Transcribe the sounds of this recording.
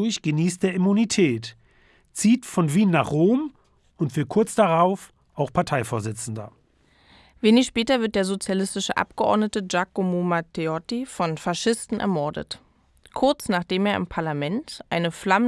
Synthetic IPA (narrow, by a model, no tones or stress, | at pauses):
ʊçɡ̥əniːstd̥eːɐimunitʰɛːt | t͡siːtfɔnviːnːaːχʁoːm | ʊntv̥ɪlkʰʊɐt͡sd̥aʁaʊf | ʔaʊxpʰaɐtʰaɪfoːɐzɪt͡sn̩dɐ̰ | veːnɪçʃpɛːtɐvɪɐt̚d̥eːɐzot͡sjalɪstɪʃə̰ʔa̰p̚ɡ̥əʔɔ̰ɐdnətəd͡ʒakomomatʰeɔtifɔnfaʃɪstn̩ʔɛ̰ɐmɔɐdə̰t | kʰʊɐt͡snaːχd̥eːmeːɐɪ̰mpʰaɐlamɛntʔaɪnəflamə